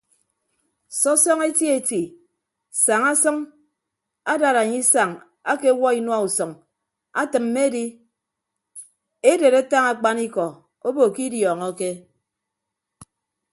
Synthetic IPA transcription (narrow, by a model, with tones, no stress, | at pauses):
sɔ˦sɔ˦ŋe˦tje˦˨ti˨ | sa˨ŋa˦sɔ˦ŋ | a˦da˨ɾa˨ɲi˦sa˨ŋ | a˦ke˦wɔ˦i˦nwa˦u˨sɔ˨ŋ | a˦tɨ˨m̩ː˦e˦di˦ | e˦de˨ɾe˦ta˦ŋa˦˨k͡pa˦ni˦kɔ˨ | o˦bo˨ki˦djɔː˨ŋɔ˦ke˦